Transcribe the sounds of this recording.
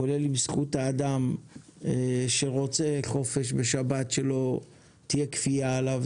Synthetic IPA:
kole̞limsχutaːd̪am | eʃeʁo̞t͡seχo̞fe̞ʃ̬be̞ʃabatʃe̞lo̞ | t̪ijekfiaːlav

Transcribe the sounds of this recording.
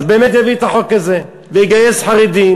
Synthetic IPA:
zbeːmet̪̬javit̪aħokːaze | vejiɡajesħaʁid̪i

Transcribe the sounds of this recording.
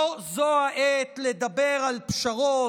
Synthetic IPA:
zohaʔet̪led̪abeʁalpʃaʁo

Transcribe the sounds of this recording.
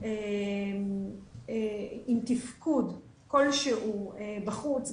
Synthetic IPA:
emeimt̪ifkud | ko̞lʃeʔuebaχut͡s

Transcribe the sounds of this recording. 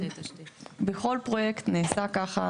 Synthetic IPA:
beχo̞lpʁo̞jekt̪neːsakaχa

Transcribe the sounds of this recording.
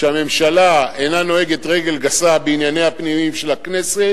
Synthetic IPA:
ʃeame̞mʃalaenano̞eɡet̪ʁe̞ɡe̞lɡasabeinjane̞jhapnimimʃe̞lakne̞se

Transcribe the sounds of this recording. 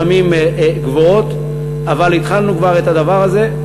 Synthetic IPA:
amimɡvoo̞t̪ | avalit̪χalnukvaʁet̪ad̪avaʁaze̞

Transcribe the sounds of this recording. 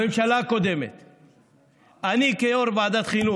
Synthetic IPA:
imʃalaːkod̪emḛt̪ | ɐnikeoɾbaːd̪ɐt̪xiːnu

